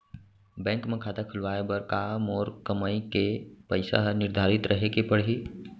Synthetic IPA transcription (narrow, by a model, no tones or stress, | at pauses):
bɛ̃ːŋkmẽkʰaːt̪akʰʊlʋaːebəɾkaːmɔːɾkəmaːikepəɪsa̰ɦnɪɾd̪ʱaːɾɪt̪ɾʔɐɦekepɐɽ̤iː